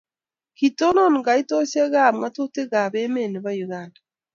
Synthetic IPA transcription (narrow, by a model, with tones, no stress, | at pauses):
ki˨to˦no˦nu˨ŋɡa˨i˦to˦se˦ɣa˦˨mwa˦to˦te˦ɣa˨βe˦me˦˨ne˨βa˦juɣaːnda